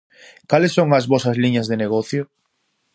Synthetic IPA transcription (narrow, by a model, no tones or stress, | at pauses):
kalɪsːoŋɐzβɔsɐzliɲɐzðeneɣ̞ɔθjo